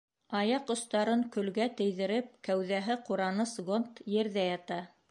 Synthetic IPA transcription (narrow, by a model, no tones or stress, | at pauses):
ɑjɑqŏst̪ɑɾɤŋkɵ̆lɡæt̪ɘ̆jðɘ̆ɾɘp̚kæwðæɦɘquɾɑnɤsɡont̪jɘ̆ɾðæjɑt̪ɑ